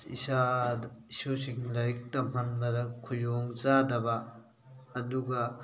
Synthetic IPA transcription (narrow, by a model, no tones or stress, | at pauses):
ḭsaisosiŋlɐɾik̚tɐm̥ɐnbɐdɐkʰujoŋt͡ʃadɐbɐː | duɡɐ